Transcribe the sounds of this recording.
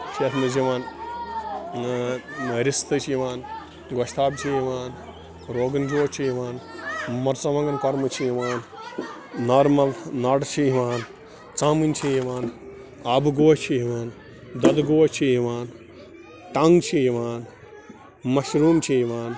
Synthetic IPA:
t͡ʃʰeːt̪ʰmɐziʋaːn | ɾist̪ɨt͡ʃʰiʋaːn | ɡɐʃt̪ʰaːb̚t͡ʃʰijiʋaːn | ɾoːɡɐnd͡ʒoːt͡ʃʰijiʋaːnmɐɾt͡sɐʋɐŋɡɐnkɐɾmɨt͡ʃʰijiʋaːn | nɐɾmɐlnɐɽt͡ʃʰiiʋaːn | t͡saːmint͡ʃʰijiʋaːn | abɡoːt͡ʃʰiiʋaːn | d̪ɐd̪ɡoːt͡ʃʰiiʋaːn | ʈɐŋɡt͡ʃʰijiʋaːn | mɐʃɾuːmt͡ʃʰijiʋaːn

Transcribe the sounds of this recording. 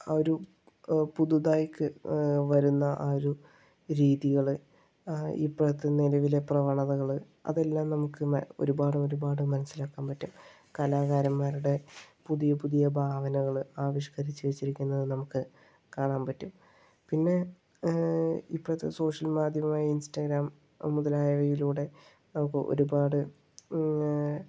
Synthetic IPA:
oɾu | puðud̪aːjkːɨʋɐɾunːɐʔaːɾu | ɾiːðiɣɐɭɨ | ḭpːoɽɐt̪ːenilɐʋile̞prɐʋɐɳɐðɐɣɐɭɨ | ɐ̰ðe̞lːaːmnɐmukːɨo̞̰ɾubaːɽumo̞ɾubaːɽɨmɐnɐsːilaːkːaːmpɐtːum | kɐlaːɣaːɾɐmːaːɾuɽe̞puðijɐpuðijɐbʱaːʋɐnɐɣɐɭaːʋiʂkɐɾit͡ɕːɨʋet͡ɕːiɾikʲːunːɐðɨnɐmukːɨ | kaːɳaːnpɐtːum | pinːe̞ | ipːoɽɐt̪ːḛso̞ːʂɐlmaːd̪ʱjɐmaːjɐinstɐɡɾaːm | muðɐlaːjɐʋɐjiluːɽe̞ | nɐmukːɨʔo̞̰ɾubaːɽɨ

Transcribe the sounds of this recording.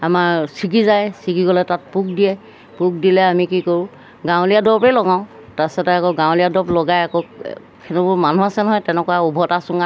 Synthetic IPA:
amaɹsiɡizajsiɡiɡɔlɛtat̚puk̚diɛ | pʊk̚dilɛamikikoɹʊ̃ | ɡãw̃lijadɔpɛlɔɡaʊ̃ | tasɛtɛakɔɡãw̃lijadɔplɔɡajakɔ | kʰɛnubʊmanuasɛnɔɦɔjtɛnɛkɔwaubʱɔtasʊŋa

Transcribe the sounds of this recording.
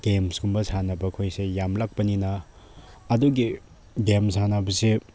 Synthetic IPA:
ɡ̥emsɡumbɐsanɐbɐkʰojsejamlak̚pɐninɐː | duɡi | ɡemsanɐbɐse

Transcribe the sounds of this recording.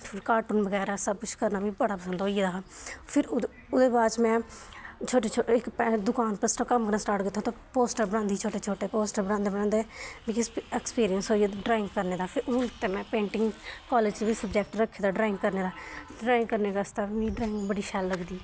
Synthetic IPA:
pʰɪɾkaːɾʈuːnbəɡɛːɾɛːsəb̚kʊt͡ʃʰkəɾnaːbĩːbəɽaːpəsə̃nd̪ɦoːied̪aːpʰɪɾ | ʊd̪eːbaːt͡ʃmɛ̃ːt͡ʃʰoːʈet͡ʃʰoɪkpɛd̪ʊkaːnpəsʈəkəmkəɾnaːsʈaːɾʈkɪt̪ʰːoːt̪õːpoːsʈəɾbəɽãnd̪iːt͡ʃʰoːʈeːt͡ʃʰoːʈeːpoːsʈəɾbəɽãːnd̪eːbəɽãːnd̪eːbɪkɪsɛkspiːɾijənsɦoːied̪ɖɾaːɪ̃ŋɡkəɾneːd̪aːpʰɪɾʊt̪eːmɛ̃ːpẽːɳʈɪŋɡkɔːleːd͡ʒʋiːsəbd͡ʒɛːk̚ʈɾəkʰːeːd̪aːɖɾaːɪ̃ŋɡkəɾneːd̪aːɖɾaːɪ̃ŋɡkəɾneːkast̪aːbiĩːɖɾaːɪ̃ŋɡbəɽiːʃɛlːəɡd̪iː

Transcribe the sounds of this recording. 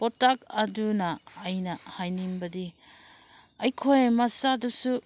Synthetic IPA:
pɔtakɐdunɐːjnɐhajnimbɐdi | ɐjkʰojmasadusu

